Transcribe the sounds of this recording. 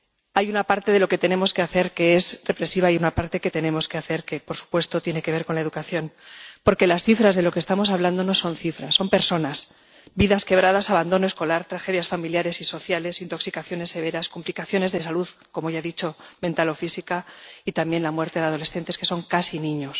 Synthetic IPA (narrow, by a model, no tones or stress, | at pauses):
ajunapaɾt̪e̞ðe̞lo̞ke̞t̪e̞ne̞mo̞ske̞aθe̞ɾke̞ezre̞pɾe̞siβ̞aiunapaɾt̪e̞ke̞t̪e̞ne̞mo̞ske̞aθe̞ɾke̞po̞ɾsu̥pwe̞st̪o̞t̪je̞ne̞keβe̞ɾko̞nlae̞ðukaθjo̞npo̞ɾke̞lasθifɾazðe̞lo̞kest̪amo̞saβland̪o̞no̞so̞nθifɾasːo̞mpe̞ɾso̞nas | biðaske̞β̞ɾað̞asaβand̪o̞noe̞sko̞laɾt̪ɾaxe̞ðjasfamiljaɾe̞siso̞θjale̞sint̪o̞ksikaθjo̞ne̞sːe̞β̞e̞ɾaskumplikaθjo̞ne̞zðe̞saluðko̞moʝaðit͡ʃo̞mẽ̞nt̪alo̞fisikait̪amjenlamwe̞ɾt̪eðeað̞o̞le̞sθe̞nt̪eske̞so̞ŋkasinĩɲo̞s